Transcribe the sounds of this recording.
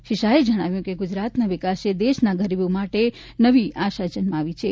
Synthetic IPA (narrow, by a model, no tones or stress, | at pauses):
ʃiʃaed͡ʒəɽ̃aʋjũkeɡud͡ʒɾat̪naʋɪkased̪eʃnaɡʱəɾibomaʈe | nəʋiaʃad͡ʒənmaaʋit͡ʃʰe